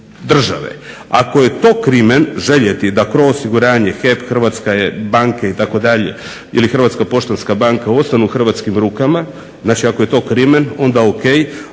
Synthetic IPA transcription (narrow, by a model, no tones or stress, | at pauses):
d̪r̩ʒa̰ʋḛ | a̰ko̞je̞t̪o̞ːkɾimenʒe̞ʎet̪id̪akɾoosiɡuɾaːɲexepxr̩ʋat̪skaebaŋkeit̪ako̞d̪aʎe̞ | ḭlixr̩ʋat̪skapo̞ʃt̪onskabaŋkao̞t̪st̪anuːxr̩ʋat̪skimɾukama | znaːt͡ʃiako̞je̞t̪o̞ːkɾimeno̞nd̪aokej